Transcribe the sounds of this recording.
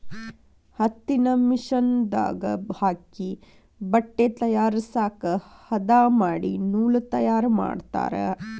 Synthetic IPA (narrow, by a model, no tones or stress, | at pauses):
hɐt̪ːinɐmiʃɐnd̪a̰ːɡɐ̰bhaːki | bɐʈːet̪ɐjaːɾisaːkɐhɐd̪aːmaːɽinuːlɐt̪ɐjaːɾma̰ːɖt̪a̰ːɾḛ